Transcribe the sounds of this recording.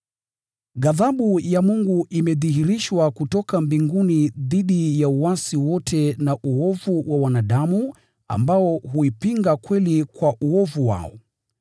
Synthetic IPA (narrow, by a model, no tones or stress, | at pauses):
ɠaðaɓujamuŋɡuʔimɛðihiɾiʃwakutɔkambiŋɡuniðiɗijauwasiwɔtʰɛnaʔuɔvuwawanaɗamu | a̰mbaɔɦuipiŋɡakwɛlikwaʔuɔvuwa̰ɔ